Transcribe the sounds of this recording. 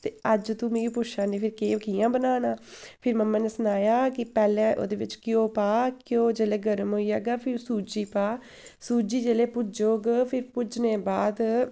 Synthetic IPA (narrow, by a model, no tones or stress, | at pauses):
t̪eːəd͡ʒt̪ũːmẽːɡiːpʊʃãːneːpʰɪɾkeːkiːjãːbənaːnãːpʰɪɾməmːãːneːsʊnaːjaːkɪpɛːlɛ̃ːʔo̰ːd̪eːʋɪt͡ʃkɪjõːpaːkɪjõːd͡ʒeːleːɡəɾəmɦoːiːɛːɡaːpʰɪɾsuːd͡ʒiːpaː | suːd͡ʒiːd͡ʒeːleːpʊd͡ʒoːɡpʰɪɾpʊd͡ʒneːbaːd̪